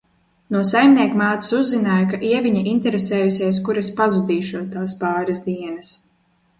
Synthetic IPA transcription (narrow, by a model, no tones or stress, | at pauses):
nuɔsajmnʲiɛkmaːt̪i̥suzːinaːjakaʔiɛviɲaʔint̪ɛɾesɛːjusʲeːskuɾaspazud̪iːʃuɔt̪ːaːspɑːɾazd̪iɛnɐs